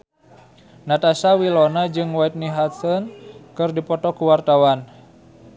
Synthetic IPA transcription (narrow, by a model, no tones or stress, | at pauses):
nat̪asawilɔnad͡ʒɨŋwait̪̚niɦat̪sɔnkɨrdipɔt̪ɔkuwart̪awan